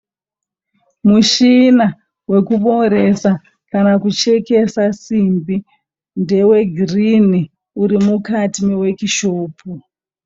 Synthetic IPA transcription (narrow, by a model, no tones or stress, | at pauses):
muʃina | we̞kuɓo̞ɾe̞sa | kanakut͡ʃeke̞sasimbi | nde̞we̞ɡʱrini | uɾimukatime̞we̞kiʃoːpʰu